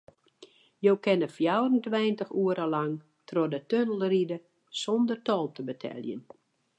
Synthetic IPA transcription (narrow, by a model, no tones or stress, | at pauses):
jowkɛnəfjawrəntʋɛjntəxuəɾəlaŋ | tʰrodətønəlˠridə | sɔndərtɔlˠtəbətʰɛ̰lˠjə̰n